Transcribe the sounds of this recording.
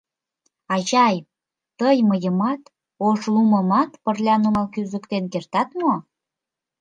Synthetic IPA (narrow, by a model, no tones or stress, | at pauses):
ɑʑɑj | t̪əjməjəmɑt̪ | oʃluməmɑt̪pərlʲɑnumɑlkyzəkt̪enkert̪ɑt̪mo